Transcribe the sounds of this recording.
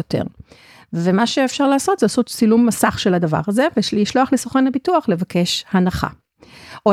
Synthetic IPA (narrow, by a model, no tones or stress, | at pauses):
ote̞̰ʁ | vemaʃeːfʃaʁlaːso̞t̪zeasott͡silumːasaχʃe̞lad̪ava̰ʁazeveʃlhiʃloaχlesoχanhabituaχle̞vakʰe̞ʃhanaχa̰ | ʔo